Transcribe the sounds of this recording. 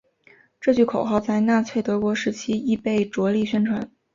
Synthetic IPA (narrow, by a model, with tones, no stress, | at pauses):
ʈ͡ʂɤ˥˧t͡ɕy˥˩kʰo˨˩ʊxɑ˥˧ʊt͡sa˥˧ɪna˥˩t͡ɕʰɥe˥˩ɪt̪ɤ˧˥kwɔ˧˥ʂɻ̩˧˥t͡ɕʰi˥i˥˧pe˥˩ɪʈ͡ʂwɔ˧˥li˥˩ɕɥɛ˥nʈ͡ʂʰwa˧˥n